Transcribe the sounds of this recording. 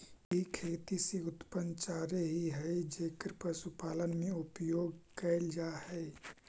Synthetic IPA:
ikʰeːt̪iseʊt̪pənt͡ʃaːɾeɦiɦɛid͡ʒeːkəɾpɾəsupaːlənmẽʊpjoːɡkɛɪld͡ʒaːɦɛɪ

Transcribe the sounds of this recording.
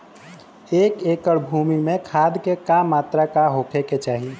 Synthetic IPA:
ekekəɽbʱumimekʰad̪kekamat̪ɾakaɦokʰɛket͡ʃaɦi

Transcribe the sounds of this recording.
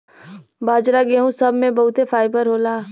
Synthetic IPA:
baːd͡ʒɾaɡeɦũsɐbʱmẽbɐɦʊt̪efʰaːɪbəɾɦoːlaː

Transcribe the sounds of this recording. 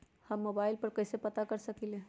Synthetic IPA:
həmːobaɪlpəɾkəɪsepət̪akəɾsəkilẽ

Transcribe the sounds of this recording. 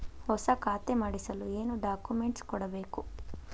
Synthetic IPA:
hɔsɐkaːt̪emaɽisɐlue̞ːnuɖaːkumeɳʈskɔɽɐbeːku

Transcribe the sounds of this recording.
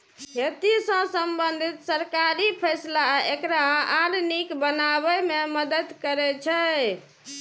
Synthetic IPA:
ɦet̪isə̃səmbənd̪ʱit̪səɾkaɾipʰəjslaekɾaɦaɾnikbənabɛmeməd̪əd̪kəɾɛt͡ʃʰɛ

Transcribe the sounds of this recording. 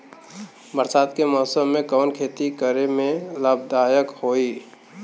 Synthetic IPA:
bəɾsaːd̪kemɔːsəmːẽkɔːnkʰeːt̪ikəɾemẽlaːb̚d̪aːjəkhoːiː

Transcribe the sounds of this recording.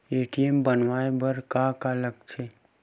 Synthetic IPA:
eːʈiembənʋaːebəɾkakaːlək̚t͡ʃʰeː

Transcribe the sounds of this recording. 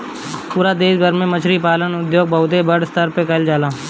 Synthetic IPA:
puːɾaːd̪eːsbʱəɾmẽːmət͡ʃʰɾiːpaːlənʊd̪joːɡ̚bəːʊd̪eːbəɽst̪ʰəɾpekəld͡ʒaːlaː

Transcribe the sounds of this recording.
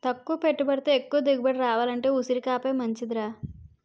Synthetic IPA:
t̪ɐkːuʋɐpeʈːubɐɽit̪eːekːuʋɐd̪iɡɐbɐɽiɾaːʋaːlɐɳʈe̞ːusiɾikaːpeːmɐɲt͡ʃid̪ɾaː

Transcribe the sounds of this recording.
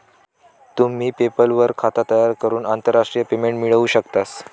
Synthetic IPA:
t̪um̤iːpepəlʋəɾkʰat̪at̪əjaɾkəɾuːnant̪əɾːaʂʈɾijəpemeɳʈmiɭəuːɕəkt̪as

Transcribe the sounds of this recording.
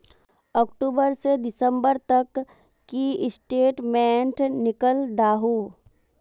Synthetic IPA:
ɔːkʈuːbəɾsed̪ɪsə̃mbəɾt̪ɐkː | iɪsʈeːʈmẽːɳʈnɪkəld̪aːɦuː

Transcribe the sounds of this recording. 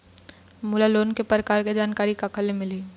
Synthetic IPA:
mʊlaloːnkepɾəkaːɾked͡ʒaːnkaːɾikakʰɐlemɪliː

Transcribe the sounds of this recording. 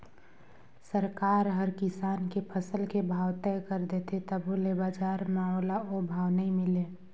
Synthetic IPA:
səɾkaːɾɦəɾkɪsaːnkepʰəsəlkebʱaːwt̪ɛjkəɾd̪et̪ʰet̪əbolebad͡ʒaɾmãolaobʱaːwnəĩmɪle

